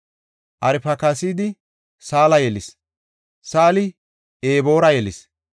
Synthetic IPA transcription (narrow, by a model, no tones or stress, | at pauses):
ʔɐɾɪpɐkɐsiːd̪ɪ | saːlɐjɛlɪs | saːlɪ | ʔeːbo̞ːɾɐjɛlɪs